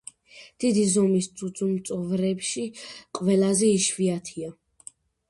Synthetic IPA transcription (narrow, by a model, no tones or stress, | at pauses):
d̪̥id̪izɔmist̪sʰʼud̪zʼumt̪sʼɔvɾɛpʃiqʼvɛlazɛiʃviat̪ʰia